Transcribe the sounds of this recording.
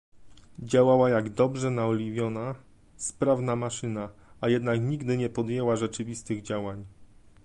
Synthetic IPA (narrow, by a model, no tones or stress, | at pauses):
d͡ʑawawajaɡd̪ɔbʐɛnaɔlʲivʲjɔna | spɾavnamaʂɘnaajɛd̪nakɲiɡd̪ɘɲɛpɔd̪jɛwaʐɛt͡ʂɘvʲist̪ɘɣd͡ʑawaɲ